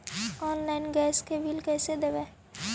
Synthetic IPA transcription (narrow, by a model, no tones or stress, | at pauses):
ɔːnlaɪnɡɛːskebʱilkɛːsed̪ebɛː